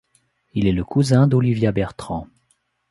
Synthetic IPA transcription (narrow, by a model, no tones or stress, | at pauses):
ilɛləkuzɛ̃d̪ɔlivjabɛʁt̪χɑ̃